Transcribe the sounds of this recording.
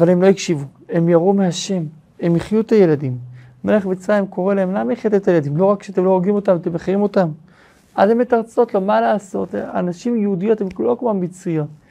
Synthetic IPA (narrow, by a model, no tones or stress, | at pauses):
avalemloikʃivu | emjaʁumehaʃe̞m | emiχjut̪aje̞lad̪im | meleχvit͡sajimko̞ʁelaemlamiχet̪et̪ajelad̪imlo̞ʁakːʃeatemlo̞ʁoɡimo̞tamat̪emeχaʁimo̞t̪am | ʔa̰dhemet̪aʁt͡so̞t̪lo̞malaːso̞t̪a̰naʃimjeudijo̞t̪hemklokmambit͡sujo̞t̪̚